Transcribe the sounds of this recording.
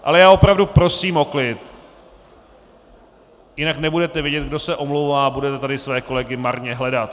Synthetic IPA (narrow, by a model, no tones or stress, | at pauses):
ʔa̰lɛjaːo̞pɾavdupɾo̞siːmo̞klɪt̪ | jɪnaknɛbudɛt̪ɛvjɪɟɛt̪̚ɡdo̞sɛʔo̞mlowvaːbudɛt̪ɛt̪adɪsvɛːko̞lɛɡɪmaɾɲɛɦlɛdat̪